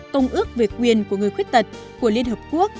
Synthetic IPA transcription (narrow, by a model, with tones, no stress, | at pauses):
t̪ə˧wŋ͡mʔɨ˦˥ək̚ve˨˩kːwi˨˩ənku˧˩əŋ˨˩əjxwt̚t̪ə˨˩t̚ | ku˧˩əli˧ənhɦəː˨˩p̚ku˦˥ək̚